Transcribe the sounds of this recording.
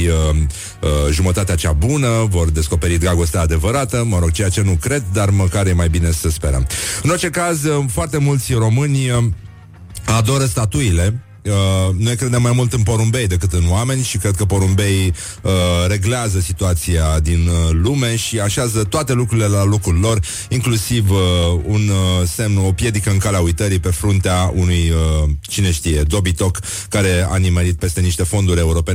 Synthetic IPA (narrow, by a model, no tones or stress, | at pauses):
ə | əʒumət̪at̪eat͡ʃabunəvo̞rd̪e̞sko̞pe̞ɾit̪ɡɾaɡo̞st̪eːd̪e̞vəɾat̪əməɾo̞ɡ̚t͡ʃe̞jat͡ʃe̞nukɾe̞d̪d̪arməkaɾje̞majbine̞səspe̞ɾə̰mɨno̞rt͡ʃe̞kazfoart̪e̞mult̪sʲro̞mɨnʲə | ad̪o̞ɾəst̪at̪uile̞ | ənojkɾe̞d̪e̞mːajmult̪ɨnpo̞ɾumbe̞jd̪e̞kɨt̪ɨnwame̞nʲʃikɾe̞d̪̚kəpo̞ɾumbe̞j | əre̞ɡleazəsit̪uat̪sijad̪inlume̞ʃiaʃeazət̪oat̪e̞lukɾuɾile̞lalokɾulʲlo̞r | iŋklusivunsemnəo̞pje̞d̪ikəɨnkaleaujt̪əɾipe̞fɾunt̪eaunujət͡ʃine̞ʃt̪ije̞d̪o̞bit̪o̞kː | aɾe̞a̰nimeɾit̪̚pe̞st̪e̞niʃt̪e̞fo̞nd̪uɾʲe̞uɾo̞pe̞n